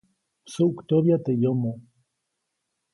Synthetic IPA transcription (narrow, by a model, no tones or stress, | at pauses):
suukt̪oβjat̪ejomo